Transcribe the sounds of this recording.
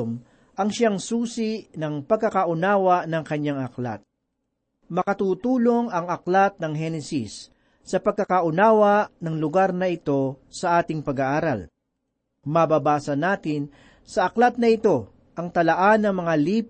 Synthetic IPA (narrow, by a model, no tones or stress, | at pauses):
m | ʔɐŋʃaŋsuːsɪʔnɐŋpɐɡ̚kːɐkaʔʊnaːwɐʔnɐŋkɐɲaŋɐkla̰t̪̚ | mɐkɐt̪uːt̪uːlo̞ŋɐŋɐklat̪̚nɐŋɦɛnɛsisː | ɐpɐɡkːɐkaʔʊnaːwɐʔnɐŋlʊɡaɾnɐɪt̪o̞sɐʔaːt̪ɪŋpɐɡaʔaːɾa̰l | mɐbabaːsɐnaːt̪ɪn | sɐʔɐklat̪̚nɐɪt̪o̞ | ʔɐŋt̪ɐlɐʔanɐŋmɐŋaliː